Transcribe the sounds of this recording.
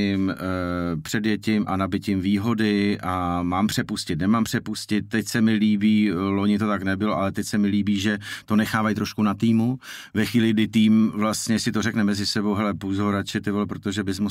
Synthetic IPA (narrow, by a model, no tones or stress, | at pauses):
ɪm | pr̥ɛdjɛcɪmʔanabɪcɪmviːɦo̞dɪʔamaːmpr̝̥ɛpuscɪt̪nɛmaːmpr̝̥ɛpuscɪt̪̚ːɛcsɛmɪliːbiːloɲɪt̪o̞t̪aknɛbɪloʔalɛt̪ɛcsɛmɪliːbiːʒɛt̪o̞nɛxaːvajt̪ɾo̞ʃkunat̪iːmu | vɛxʋiːlɪɡ̚dɪt̪iːmvlast̪ɲɛsɪt̪o̞ɾ̝ɛknɛmɛzɪsɛbo̞wɦɛlɛpuzoɾat͡ʃɪt̪ɪvɛlpɾot̪o̞ʒɛbɪzmu